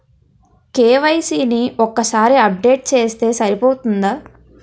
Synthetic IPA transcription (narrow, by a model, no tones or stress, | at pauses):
keːʋɐjsiːniʔɔkːɐsaːɾiɐp̚ɖe̞ːʈ̚t͡ʃe̞ːst̪e̞ːsɐɾipoːt̪und̪aː